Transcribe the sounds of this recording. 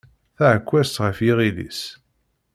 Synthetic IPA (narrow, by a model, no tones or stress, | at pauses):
θæʕəkʷːæst̪ʁəfjiʁiðḭs